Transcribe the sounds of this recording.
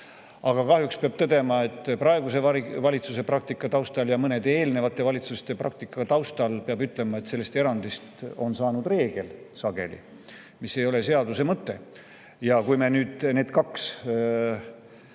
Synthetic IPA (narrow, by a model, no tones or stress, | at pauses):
ɑɡ̥ɑkɑhjukspeɑb̥̚t̪ɤd̪e̞mɑe̞t̪ːˑprɑe̞ɡuse̞ɑvɑlʲit̪suse̞pɾɑk̚t̪ikːˑɑt̪ɑwst̪ɑljɑmɤne̞d̪̥e̞ːlne̞vɑt̪ːˑe̞vɑlʲit̪sust̪e̞prɑ̰k̚t̪ikːˑɑt̪ɑwst̪ɑlpeɑbyt̪ːˑlemɑe̞t̪selːe̞st̪e̞ɾɑnd̪ist̪o̞nsɑːnud̪re̞ːɡ̥e̞lsɑɡ̥e̞̰lḭ | mise̞jo̞le̞se̞ɑd̪use̞mɤt̪ːe̞ | jɑkujme̞nyːd̪̥ne̞ːd̪kɑks